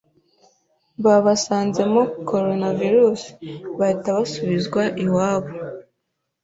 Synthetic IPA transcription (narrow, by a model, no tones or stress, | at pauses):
βaβasaːnze̞mokʰo̞ɾo̞naviɾusi̥βataβasuβizɡwaʔiwaːβo